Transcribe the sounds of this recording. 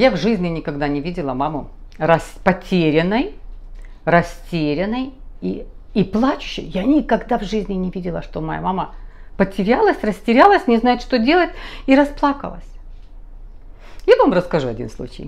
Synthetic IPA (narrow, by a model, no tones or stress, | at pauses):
javʐɨzʲnʲɪnʲɪkɐɡd̪anʲɪvʲidʲɪlˠəmamʊɾɐsʲpɐtʲeɾʲɪnːəj | rɐsʲtʲeɾʲɪnːəji | iplˠat͡ɕʊ̥ɕːɪ̰jjanʲɪkɐɡd̪avʐɨzʲnʲɪnʲɪvʲidʲɪlˠəʂt̪o̞mɐja̰mamə | pətʲɪɾʲalˠəsʲrəsʲtʲɪɾʲalˠəsʲnʲɪznajɪt̪ʂt̪o̞dʲe̞lˠətʲiɾɐsplˠakə̰lˠə̰sʲ | javamrəskɐʐuɐdʲḭnslˠṵt͡ɕɪ̰j